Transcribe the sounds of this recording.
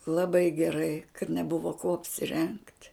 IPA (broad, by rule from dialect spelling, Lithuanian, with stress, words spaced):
lˠɐˈbɐɪ ɡʲɛˈrɐɪ kɐt nʲɛˈbʊʋoː kuɔ ɐpʲsʲɪˈrʲɛŋkt